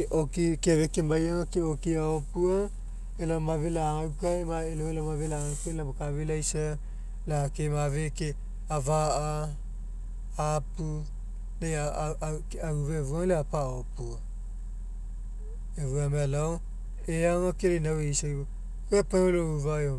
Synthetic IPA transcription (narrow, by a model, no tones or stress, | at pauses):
ʔokikeaβekemajaŋakeokiaopua | elamavelaawkaemaeloelamavelaawkaelamakaβelajsa | laakemaveke | avaa | apu | neakauvaevualeapaopua | eβuamealao | eaŋakeɾenaweisaj | koepaolouvao